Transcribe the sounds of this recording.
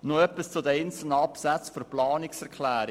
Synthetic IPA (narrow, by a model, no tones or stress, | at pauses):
noœpːist͡sʊd̪əɛɪnt͡sl̩nəɑpsæt͡sfyɾplɑːniksɛɾkʰlæːɾɪ